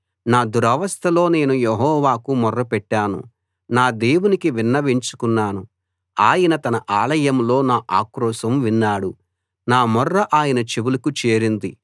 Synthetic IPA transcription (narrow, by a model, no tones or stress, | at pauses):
naːd̪uɾɐʋɐst̪ʰɐlo̞ːne̞ːnujeɦɔːʋaːkumɔrːɐpɛʈːaːnṵ | naːd̪eːwunikiʋinːɐʋiɲt͡ʃu̥kunːaːnu | aːjɐnɐt̪ɐnɐʔaːlɐjɐmlo̞ːnaːʔaːkɾɔːʃɐmʋinːaːɽu | naːmɔrːɐʔaːjɐnɐt͡ʃiʋulɐkut͡ʃeːɾind̪i